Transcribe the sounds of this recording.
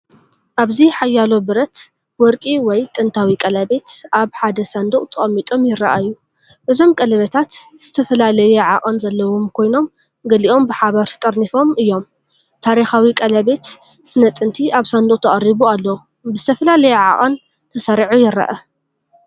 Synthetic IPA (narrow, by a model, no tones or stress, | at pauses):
ʔaβziħajːalo̞bɨɾɐt̪ | wɔɾkʼiwɔjt̪ʼɨnt̪ʰawikʼɐlɐbe̞t̪ʔaβħad̪ɐsand̪uχʼt̪ʰɐχʼɐmːit̪ʼo̞mjɪɾːɐʔaɨjːu | ʔɨzo̞mkʼɐlɐβɐt̪ʰat̪z̥ɨt̪ʰɐfɐlalɐjuʕa̰ʔʼɐnzɐlːɐwomkʰo̞jno̞m | ɡɐliʔo̞mbɨħaβɐɾt̪ʰɐ̥t̪ʼɐɾnifo̞mɨjːo̞m | t̪ʰaɾixawikʼɐlɐbe̞t̪ | sɨnɐt̪ʼɨnt̪ʰiʔaβsand̪uχʼt̪ʰɐʔʼɐrːiβualːɐw | bɨzɨt̪ʰɐfɐlalɐjɛʕa̰ʔʼɐn | t̪ʰɐsɐɾʕujɪɾɐ̰ʔɐ